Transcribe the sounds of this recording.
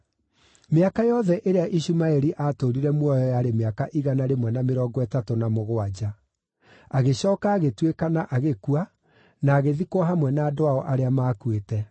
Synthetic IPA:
meakajɔðɛʔeɾeaʔiɕumaɛɾiʔatoɾiɾɛmwɔjɔjaɾemeakaʔiɣanaɾemwɛnameɾɔːɡɔɛtatonamoɣoad͡ʑa | aɣeɕɔːkaːɣetwekanaʔaɣekua | naːɣeðikoaɦamwɛnaːdoaɔʔaɾeamaːkuetɛ

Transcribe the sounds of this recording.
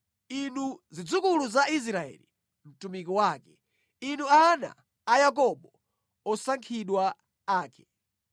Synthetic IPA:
inuzid͡zukuluzais̬ɾaɛ̰lḭ | m̩tumik̬ɔwaːkɛ | inuana̰ː | jak̬ɔɓɔ | ɔsaŋkʰiɗwa | aːkɛ

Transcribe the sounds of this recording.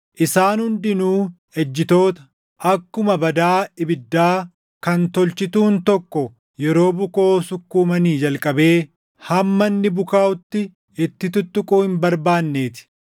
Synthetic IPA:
ʔɪsaːnhʊnd̪ɪnuː | ɛd͡ʒːɪt̪o̞ːt̪ɐ̥ | ʔɐkːʊmɐbɐd̪aːɪbɪd̪ːaː | kɐnt̪ɔlt͡ʃɪt̪uːnt̪ɔkːɔ | jɛɾo̞ːbʊko̞ːsʊkːuːmɐniːd͡ʒɐlkʼɐbe̞ː | hɐmːɐnːɪbʊkaːʔʊt̪ːɪ | ɪt̪ːɪt̪ʊt̪ːʊkʼuːhɪmbɐɾbaːnːe̞ːt̪ɪ̥

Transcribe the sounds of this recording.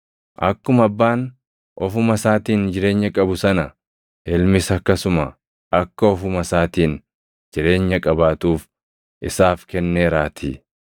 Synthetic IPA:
ʔɐkːʊmɐbːaːn | ʔɔfʊmɐsaːt̪iːnd͡ʒɪɾe̞ːɲːɐkʼɐbʊsɐnɐ | ɛlmɪsɐkːɐsʊmɐ | ʔɐkːɐɔfʊmɐsaːt̪iːn | d͡ʒɪɾe̞ːɲːɐkʼɐbaːt̪uːf | ʔɪsaːfkɛnːeːɾaːt̪ʰḭː

